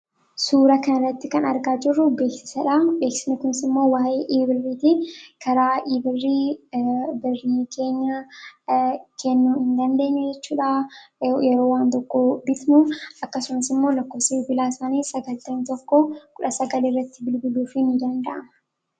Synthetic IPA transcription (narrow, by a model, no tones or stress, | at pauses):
suːɾɐkɐnɐrːɐt̪ːɪkɐnɐɾɡaːd͡ʒɪrːʊɡe̞ːksɪ̥sɐᶑabe̞ːksɪ̥nɪkʊnɪsɪmːo̞ːwaːʔeːʔiːbɪrːiːt̪ɪkʰɐɾaːʔiːbɪrːiː | bɪrːiːkʰe̞ːɲːɐ | kʰɛnːuːɪnd̪ɐnd̪e̞ːɲːɛd͡ʒɛt͡ʃːuːᶑajɛɾo̞ːwaːnt̪ɔkːobɪt̪muɐkːɐsʊmɐsɪmːo̞ːlɐkːo̞ːfsɐɪbɪlaːsaːniːsɐɡɐlt̪ːɐnt̪ɔkːɔkʊᶑɐsɐɡɐliːrːɐt̪ːɪbɪlbɪluːfɪnɪd̪ɐnd̪ɐʔɐmɐ